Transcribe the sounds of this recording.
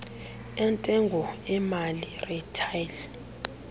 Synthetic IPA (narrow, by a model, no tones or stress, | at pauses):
ɛntʼɛŋɡʱɔɛmalirɛtʰajl